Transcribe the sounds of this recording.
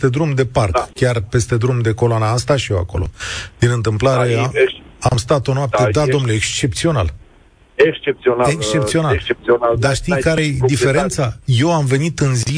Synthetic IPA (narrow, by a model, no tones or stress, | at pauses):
t̪e̞d̪ɾumd̪e̞parkkʲarpe̞st̪e̞d̪ɾumd̪eko̞loanaamst̪aʃijewa̰ko̞̰lo̞̰d̪̥inɨnt̪ɨmplaɾe̞ | amst̪at̪o̞noap̚t̪ed̪ad̪o̞nuleekst͡ʃe̞p̚t̪sio̞nal | eks̚ekst͡ʃe̞p̚sio̞nald̪aʃt̪ijkaɾed̪ife̞ɾe̞nt̪saje̞wamve̞nit̪ɨnzi